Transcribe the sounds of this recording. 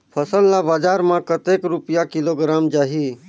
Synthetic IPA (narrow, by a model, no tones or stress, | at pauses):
pʰəsəlːabaːd͡ʒaːɾmãkət̪eːkɾupjakɪloɡɾaːmd͡ʒaːɦi